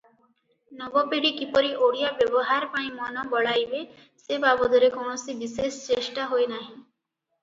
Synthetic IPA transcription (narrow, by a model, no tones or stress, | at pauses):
nɔbɔpeɽikipɔɾiʔoɽijabjɔbɔɦaɾpãĩmɔnɔbɔɭajbe | sebabɔd̪ɔɾekɔɽ̃ɔsibisest͡ʃesʈaɦoenaɦĩ